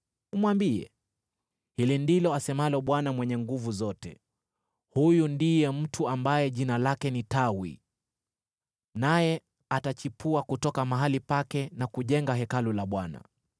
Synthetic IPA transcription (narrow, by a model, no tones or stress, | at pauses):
umwambiɛ̰ | hilindilɔasɛmalɔɓwanamwɛɲɛŋɡuvuzɔtɛ | hujundijɛm̩tʰuambajɛʄinalakɛnitawḭ | najɛ | atat͡ʃipuakutɔkamaɦalipakɛnakuʄɛŋɡaɦɛkalulaɓwana̰